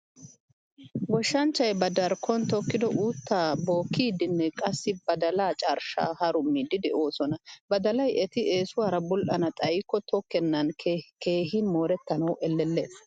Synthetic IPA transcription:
ɡɔʃːɐnt͡ʃːɐjbɐd̪ɐɾkʰɔnt̪ɔkːɪd̪ɔʔuːt̪ːaːboːkːiːd̪ɪnːɛkʼɐsːɪbɐd̪ɐlaːt͡ʃʼaɾʃa̰ːhɐɾʊmːid̪ɪd̪ɛʔo̞ːsɔnɐbɐd̪ɐlɐjʔɛt̪ɪeːsʊwaːɾɐbʊlʔɐnɐt̪ʼɐjɪkːɔt̪ɔkːɛnːɐnke̞ːhɪnmo̞ːɾɛt̪ːɐnɐwʔɛlːɛlːes

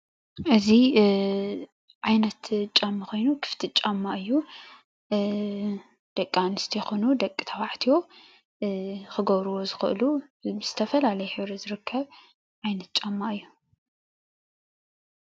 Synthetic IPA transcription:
ʔɨzi | ʕajnɐt̪t͡ʃʼamːɨxʰo̞jnukʰɨ̥ft̪ʰit͡ʃʼamːaʔɨjːu | d̪̥ɐkʼːanɨst̪ʰijɛxonud̪ɐkʼːi̥t̪ʰɐwaʕt̪ʰijo̞ | xɨɡɐβɾɨwo̞zɨxɨ̰ʔlubɨz̥ɨt̪ʰɐfɐlalɐjɛħɨβɾizɨɾɨkʰːɐβ | ʕajnɐt̪̚t͡ʃʼamːaʔɨjːu

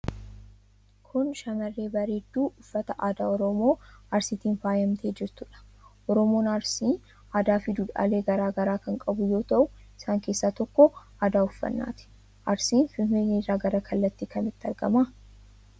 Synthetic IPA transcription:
kʰʊnʃɐmɐrːe̞ːbɐɾeːd̪ːuːʔʊfːɐt̪ɐʔaːd̪aːɔɾɔmo̞ːɐɾsit̪iːnfaːjɐmt̪ʰeːd͡ʒɪɾt̪ʊᶑɐ̥ʔɔɾɔmo̞ːnɐɾsiːn | aːd̪aːfɪd̪ʊᶑa̰ːle̞ːɡɐɾaːɡɐɾaːkɐŋkʼɐbʊjo̞ːt̪ɐʔʊɪsaːŋke̞ːsːaːt̪ɔkːɔʔaːd̪aːʊfːɐ̰nːa̰ːt̪ɪ̥ | ʔɐɾsiːnfɪfenerːaːɡɐɾɐkʰɐlːɐt̪ːikɐnɪt̪ːɪɐɾɡɐ̰maː

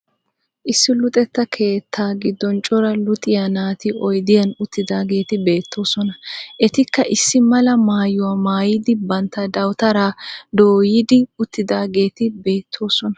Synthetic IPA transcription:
ʔɪsːɪlʊt̪ʼɛt̪ːɐkʰe̞ːt̪ʰːaːɡɪd̪ːɔnt͡ʃʼɔɾɐlʊt̪ʼɪjanaːt̪ɪɔjd̪ɪjɐnʊt̪ːɪd̪aːɡe̞ːt̪ɪbe̞ːt̪ːo̞ːsɔnɐʔɛt̪ɪkːɐʔɪsːɪmɐlɐmaːjʊwaːmaːjɪd̪ɪbɐnt̪ːɐd̪ɐwt̪ɐɾaːd̪oːjɪd̪ɪʊt̪ːɪd̪aːɡe̞ːt̪ɪbe̞ːt̪ʰːo̞ːsɔnɐ̥

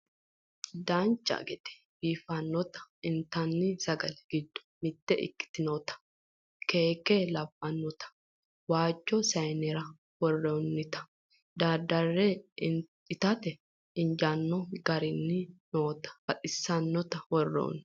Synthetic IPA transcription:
d̪aːnt͡ʃʼːɐ̰ɡɛt̪ɛ̥ | biːfɐnːɔt̪ɐ̥ɪnt̪ɐnːɪsɐɡɐlɡ̥ɪd̪ːʊ̥mɪt̪ːɛʔɪ̰kːɪ̥t̪ɪnoːt̪ɐ̥ | keːkːeːlɐbːɐnːɔt̪ɐ̥ | waːd͡ʒːɔsɐjnɛɾɐ | wɔrːɛɔnːɪt̪ɐ̥ | d̪ad̪ɐrːe | ɪt̪ɐt̪ɛ | ɪnd͡ʒaːnːɔɡɐɾɪnːɪnoːt̪ɐ̥fɐtʼɪsːɐnːɔt̪ɐwɔrːɛ̰ɔ̰nː

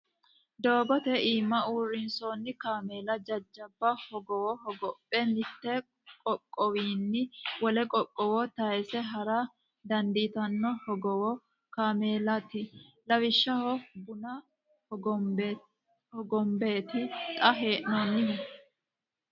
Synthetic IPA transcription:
d̪o̞ːɡɔt̪ɛiːmːɐuːrːɪnsoːnːɪkaːmeːlɐd͡ʒɐd͡ʒːɐbːɐhɔɡɔwɔhɔɡɔpʼːɛnɪt̪ːɛ | kʼɔkʼːɔwiːnːɪwɔlɛkʼɔkʼːɔwɔt̪ɐjsɛɦɐɾa | d̪ɐnd̪iːt̪ɐnːɔhɔɡɔwɔ | kaːmeːlɐt̪ɪlɐwɪʃːɐhɔbʊnɐ | hɔɡɔmbeːt̪ɪt̪ʼɐɦe̞ːʔnɔnːɪh

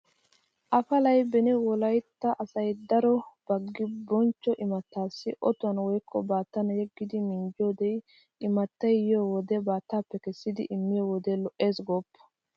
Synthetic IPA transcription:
ʔɐfɐlɐjbɛnɪwɔlɐjt̪ːɐʔɐsɐjd̪ɐɾɔb̥ɐɡːɪbɔnt͡ʃːɔʔɪmɐt̪ːaːsːɪʔɔt̪ʊɐnwɔjkʰʼːɔbaːt̪ːɐnɐjɛɡːɪd̪ɪmɪnd͡ʒoːd̪ɛj | ʔɪmɐt̪ːɐjjjowɔd̪ɛbaːt̪ːaːpːɛkɛsːɪd̪ɪʔɪmːɪjɔwɔd̪ɛlɔʔe̞ːsɡoːpːɐ̥

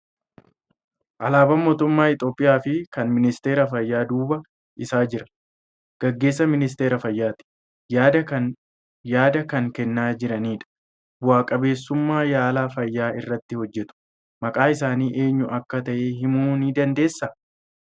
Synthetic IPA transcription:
ʔɐlaːbɐmo̞ːt̪ʊmːaːɪt̪ʼo̞ːpʼːɪjaːfɪkɐnmɪnɪst̪e̞ːɾɐfɐjːaːd̪uːbɐ | ʔɪsaːd͡ʒɪɾɐ̥ | ɡ̥ɐɡːeːs̬ːɐmɪnɪst̪e̞ːɾɐfɐjːaːt̪ɪ̥ | jaːd̪ɐkɐŋkɛnːaːd͡ʒɪɾɐniːᶑɐ̥ | bʊwaːkʼɐbe̞ːsːʊmːaːjaːlaːfɐjːaːɪrːɐt̪ːɪhɔd͡ʒːɛt̪ʊ̥ | mɐkʼaːɪsaːniːʔe̞ːɲːʊɐkːɐt̪ɐʔeːhɪmuːniːd̪ɐnd̪e̞ːsːɐ

